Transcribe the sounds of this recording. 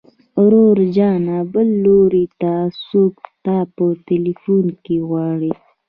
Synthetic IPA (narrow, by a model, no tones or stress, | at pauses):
ɾoɾd͡ʒɑnabəlːoɾit̪asokt̪ɑpəʈɪlifunkeɣwɑɽi